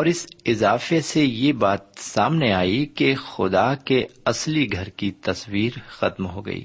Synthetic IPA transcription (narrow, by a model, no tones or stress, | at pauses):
ɔːɾɪsɪzaːfesejebaːt̪saːmneaːikexʊd̪akeɐsliɡʱɐɾkit̪ɐswiːɾxɐt̪mɦoɡɐ̰ḭː